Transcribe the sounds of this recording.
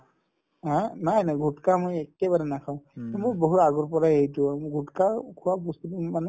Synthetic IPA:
ãnajnajɡʱutkamojɛkɛbaɹɛnakʰaʊ̃moboɦuaɡɔɹpɔɹaejtʊamɡʱutkakʰuwabustutumanɛ

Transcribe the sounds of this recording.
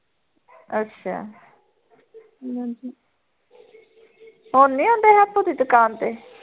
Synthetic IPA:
ətːʃʰa̰ː | ad͡ʒi | ɦoːnːĩːõːnd̪eːɦɛp̪ːõːd̪iːd̪ʊkaːnt̪eː

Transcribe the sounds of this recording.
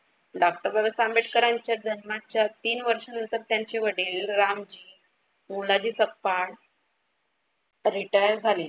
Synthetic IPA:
ɖak̚ʈəɾʋəʋəsambeʈkəɾaɲt͡ɕjad͡ʑənmat͡ɕjat̪iːnʋəɾʂanənt̪əɾt̪jaɲt͡ɕeʋəɽiːlɾamd͡ʑiː | mulad͡ʑiːsəkpaɳ | ɾiʈajəɾd͡zʱaliː

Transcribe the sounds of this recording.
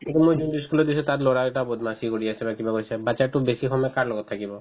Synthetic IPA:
ekɔmːojd͡ʒundiskulɔɾd̪isʰɔt̪aɾlɔɽaʈabɔd̪masikɔɽiasʰɛbakibakɔjsʰɛbat͡ʃaʈubesikʰɔmɛkaɾlɔɡɔt̪ʰːakibɔ

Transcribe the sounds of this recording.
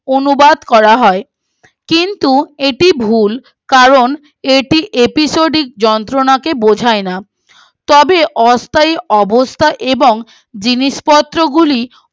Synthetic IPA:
onubad̪kɔɾaɦɔe | kint̪ueʈibʱul | kaɾon | eʈiʔepisoɖik̚d͡ʑɔnt̪ɾonakebod͡ʑʱaena | t̪ɔbeʔɔst̪ʰaiɔbost̪ʰaʔeboŋ | d͡ʑiniʃpɔt̪ːɾoɡuli

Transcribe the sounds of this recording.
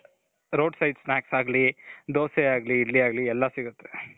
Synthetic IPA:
ɾoːɖsɐjɖsnaːksaːɡlid̪oːseaːɡliːɽːiaːɡliɛlːɐsiɡut̪ːe̥

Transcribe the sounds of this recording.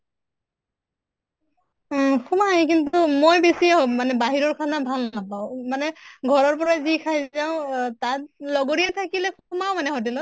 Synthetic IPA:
kʰumajk̬intʊmojbesiaɦomanɛbaɦiɹɔɹkʰanabʱalnapaʊ̃manɛɡʱɔɹɔɹp̬ɔɹazikʰajzaʊ̃tat̚lɔɡoɹiɛtʰakilɛkʰumaʊ̃manɛɦot̬ilɔ

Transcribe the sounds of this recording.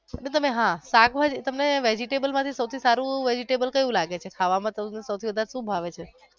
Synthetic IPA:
ənet̪əmeɦãsakʰʋad͡ʒt̪əmneʋed͡ʒiʈebəlmãt̪ʰisəwt̪ʰisaɾũʋed͡ʒiʈebəlkəjũlaɡet͡ʃʰekʰaʋamãt̪ənesəwt̪ʰiʋəd̪ʱaɾeʃũbʱaʋet͡ʃʰe

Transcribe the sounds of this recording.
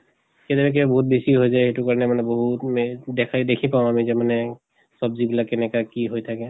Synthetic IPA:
ket̪ɛbɛk̬ebɔɦut̪̚besiɦojzajxetukaɹɔnɛmanɛbɔɦut̪md̪ɛkʰaid̪ekʰipaʊ̃amizɛmanɛ | sɔbzibilakːɛnɛkakiɦojt̪ʰakɛ

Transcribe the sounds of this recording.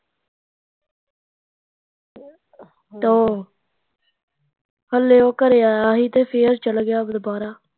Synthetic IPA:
t̪oː | pəlːeːoːkəɾeːaːaːɦiːt̪eːfʰeːəɾt͡ʃəlɡjaːbd̪ʊbaːɾaː

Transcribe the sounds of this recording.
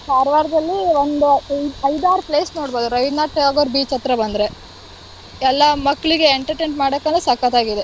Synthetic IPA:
saːɾʋaːɾd̪ɐlːiʋond̪uɐjd̪aːɾpleːsno̞ːɽboːd̪uɾɐjd̪naːʈːɐaːɡoːɾbiːt͡ʃɐt̪ɾɐbɐnd̪ɾe̞ | ɛlːɐmɐkːɭiɡe̞eɳʈɐɾʈeɳʈmaːɽɐkːɐnɐsɐkɐt̪aːɡid̪e

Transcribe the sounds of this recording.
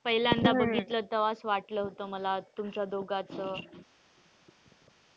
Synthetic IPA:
pəɦiljãnd̪abəɡʱit̪lət̪əʋasʋaʈləːɦot̪əməlat̪umt͡ɕjad̪oɡat͡səː

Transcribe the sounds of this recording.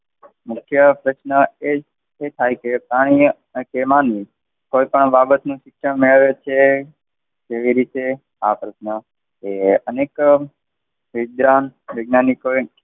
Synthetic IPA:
mʊkʰjəpɾəʃnəeː | t̪ʰajkepɾaɽ̃i | kemanːĩ | koipəɳbabət̪nũʃɪkʃəɳmeɭʋet͡ʃʰe | keʋiɾit̪e | a̰pɾəʃnə | eənek | ʋɪd̪ɾanʋeɡ̚naniko

